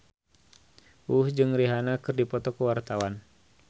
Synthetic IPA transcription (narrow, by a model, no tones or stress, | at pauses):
uhd͡ʒɨŋriɦanakɨrdipɔt̪ɔkəwart̪awan